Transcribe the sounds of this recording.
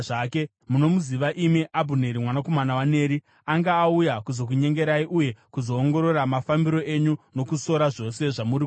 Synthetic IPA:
aːke | muno̞muziʋaʔimiʔabʱune̞ɾimwanako̞manawane̞ːɾi | aŋɡaːujakuzo̞k̬uɲe̞ŋɡe̞ɾaiʔuje̞kuzo̞ːŋɡo̞ɾo̞ɾamafambiɾo̞ʔe̞ɲuno̞kuso̞ɾaʐo̞se̞ʐamuɾi

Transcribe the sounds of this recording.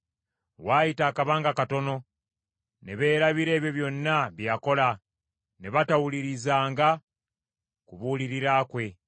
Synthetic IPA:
waːjitaːkaβaːŋɡakato̞no̞ | ne̞βe̞ːɾaβiɾe̞ːβjo̞βjo̞nːaβjako̞la | ne̞βatawuliɾizaːŋɡa | kuβuliɾiɾaːkwe̞

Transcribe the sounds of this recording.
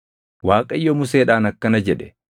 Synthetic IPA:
waːkʼɐɪjːɔmʊs̬eːᶑaːnɐkːɐnɐd͡ʒɛᶑɛ̥

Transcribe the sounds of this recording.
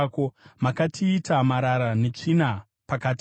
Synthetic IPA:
komakatʰiːtamaɾaɾane̞t͡ʂina | pakaːt

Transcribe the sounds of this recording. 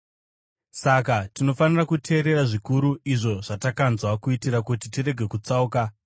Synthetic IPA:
sakatino̞fanirakutʰe̞ːɾe̞ɾaʐikuɾuiʐo̞ʐ̥atakanzwakuitiɾakutitire̞ɡʱe̞kut͡sauːka

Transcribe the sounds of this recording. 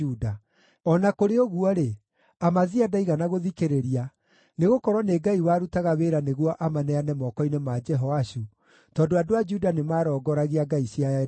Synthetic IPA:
uda | ɔnakoɾeoɣuɔɾe | amaðiadaiɣanaɣoðikeɾeɾia | neɣokɔɾwɔneːɡaiwaːɾutaɣaweːɾaneɣwɔʔamanɛanɛmɔkɔinemad͡ʒɛɦɔaɕu | tɔːndoadoad͡ʒudanemaːɾɔːɡɔɾaɣiaɡaisja

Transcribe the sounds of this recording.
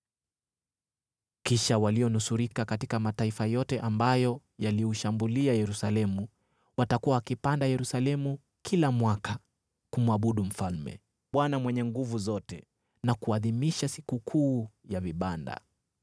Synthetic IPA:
kiʃawaliɔnusuɾikakatikamataifajɔtɛʔambajɔ | jaliuʃambuliajɛɾusalɛmu | watakuwawakipandajɛɾusalɛmu | kʰilamwaka | kumuaɓuɗum̩falmɛ̰ | ɓwanamwɛɲɛŋɡuvuzɔtɛ | nakuaðimiʃasikukʰuːjaviɓanda̰

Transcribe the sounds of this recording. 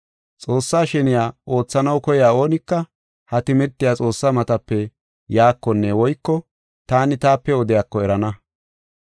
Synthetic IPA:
t͡sʼo̞ːsːaːʃɛnɪjaːo̞ːt͡sːɐnɐwkɔjaːo̞ːnɪkːɐ | hɐt̪ɪmɪɾt̪ːɪjaːt͡sʼo̞ːsːamɐt̪ɐpːɛ | jaːkːɔnːɛwɔjkːɔ | t̪aːnɪt̪aːpːɛɔd̪ɪjaːkːɔɛɾɐnɐ

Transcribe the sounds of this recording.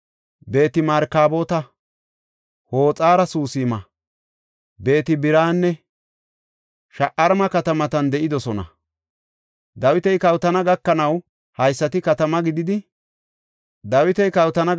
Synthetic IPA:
be̞ːt̪ɪmɐɾkaːbo̞ːt̪ɐ | ho̞ːt͡sʼaːɾɐsuːsɪːmɐ | be̞ːt̪ɪbɪɾaːnːɛ | ʃɐʔɐɾmɐkɐt̪ɐmɐt̪ɐnd̪ɛʔɪd̪ɔsɔnɐ̰ | d̪ɐwɪt̪ɛjkɐwt̪ɐnɐɡɐkːɐnɐw | hɐjsːɐt̪ɪkɐt̪ɐmɐɡɪd̪ɪd̪ɪ | d̪ɐwɪt̪ɛjkɐwt̪ɐnɐ

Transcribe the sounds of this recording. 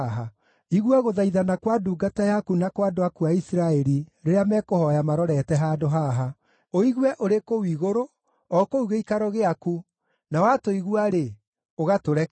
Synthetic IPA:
ɦa | iɣwɛɣoðaiðanakwaduːɡatajakunakwadoakuaisiɾaɛɾiɾeɾeamɛkohɔjamaɾɔɾɛtɛɦaːdoɦaɦa | oiɣwɛʔoɾekowiɣoɾo | ɔkouɣeikaɾɔɣeaku | nawatoiɣwaɾe | oɣatoɾɛ

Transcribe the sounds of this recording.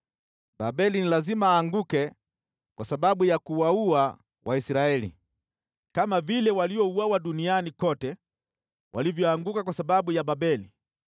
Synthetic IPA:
babɛlinilazimaːŋɡukɛ | kwasaɓaɓujakuwaua | wʔaisɾaɛlḭ | kamavilɛwaliɔuwawaɗunianikɔtɛ | wʔa̰livjɔaŋɡukakwasaɓaɓujababɛli

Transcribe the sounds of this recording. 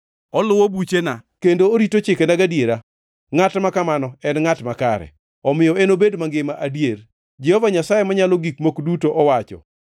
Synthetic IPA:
ɔlʊwobut͡ʃenakendoːɾitot͡ʃɪkenaɡadjeɾa | ŋatmakamanɔɛnŋatmakaɾɛ̰ | ɔmɪjɔenobedmaŋɡɪmaʔadjeɾ | d͡ʒɛhɔvaɲasajemaɲaloɡikmokdutoʔɔwat͡ʃɔ̰

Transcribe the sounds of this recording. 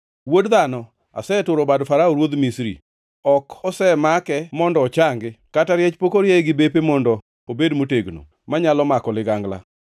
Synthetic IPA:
wodðanɔ | a̰sɛtʊɾobadfaɾaoɾwod̪misɾḭ | ɔkɔsɛmakɛmɔndɔːt͡ʃaŋɡɪkataɾjɛt͡ʃpokoɾjɛɡɪbepemɔndɔ | obedmoteɡno̰ | maɲalɔmakɔlɪɡaŋɡla̰

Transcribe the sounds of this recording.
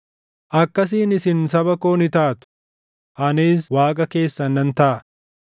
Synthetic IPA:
ʔɐkːɐs̬iːnɪsɪnsɐbɐkoːnɪt̪aːt̪ʊ̥ | ʔɐniːs̬waːkʼɐke̞ːsːɐnɐnt̪ɐʔɐ

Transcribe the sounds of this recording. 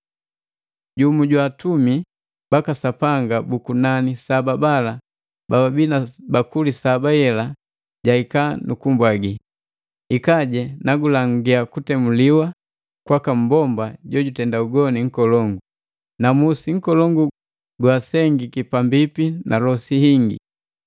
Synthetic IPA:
ɟumuɟwaːtumi | bakasapaŋɡabukunanisababala | bababinabakulisabajɛla | ɟaikanʔukumbwaɡi | ikaɟɛnaɡulaŋɡiakutɛmuliwa | kwakam̩bɔmbaɟɔɟutɛndauɡɔniŋ̩kɔlɔŋɡu | namusiŋ̩kɔlɔŋɡu | ɡwasɛŋɡikipambipinalɔsihiŋɡḭ

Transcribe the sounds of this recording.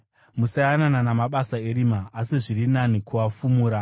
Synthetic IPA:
musajanananamaɓasae̞ɾimaːsiʐirinanikuafumuːɾa

